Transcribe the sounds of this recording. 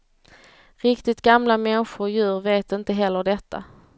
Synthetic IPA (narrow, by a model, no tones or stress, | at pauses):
ɾɪkt̪ɪt̪ɡamlamɛnɧʊjʉ̟ːɾveːt̪ɪnt̪əɦɛlːəɖɛt̪ʰːa̰